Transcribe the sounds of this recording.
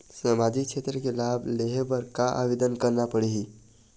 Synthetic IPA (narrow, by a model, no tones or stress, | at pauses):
səmad͡ʒikt͡ʃʰet̪ɾəkelabʱleɦepəɾkaʔa̰ʋed̪ənkəɾnapəɽiɦi